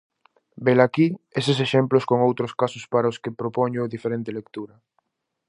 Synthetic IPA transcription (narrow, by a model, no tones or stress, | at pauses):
belakies̬es̬eʃemploskoŋowt̪ɾoskasʊspaɾaoskepɾopoɲʊðifeɾent̪elek̚t̪uɾɐ